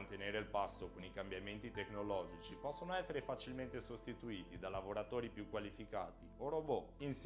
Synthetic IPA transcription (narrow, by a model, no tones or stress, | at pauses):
nt̪eneːɾelpasːokonikambjament̪it̪eknolɔːd͡ʒit͡ʃipɔsːonoɛsːeɾefat͡ʃilment̪esost̪it̪uiːt̪id̪alavoɾat̪oːɾipjukːwalifika̰ːt̪ioɾoboins